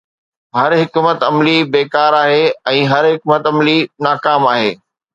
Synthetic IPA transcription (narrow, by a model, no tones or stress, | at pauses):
ɦɐɾɦɪkmət̪ɐmlibeːkaːɾaːɦeɛ̃ːɦɐɾɦɪkmət̪ɐmlinaːkaːmaːɦeː